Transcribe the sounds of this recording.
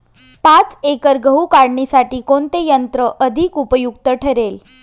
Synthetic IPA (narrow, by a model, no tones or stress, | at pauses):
pãt͡sekəɾɡʱəukaɽɳisaʈiːkoɳt̪ejənt̪ɾəʔəd̪ʱikupəjukt̪əʈʰəɾel